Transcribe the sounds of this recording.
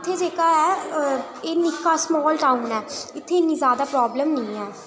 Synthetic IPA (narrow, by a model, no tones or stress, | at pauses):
t̪ʰːeːd͡ʒeːkaːɛː | eːnɪkːaːsmɔːlʈaːũːnɛːɪt̪ʰːeːɪnːĩːzjaːd̪aːpɾɔːbləmnĩːɛː